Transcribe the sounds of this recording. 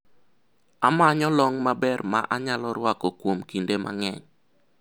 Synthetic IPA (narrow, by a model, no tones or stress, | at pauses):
amaɲɔlɔŋmabɛrmaʔaɲalɔɾwakɔkwomkindemʔa̰ŋɛɲ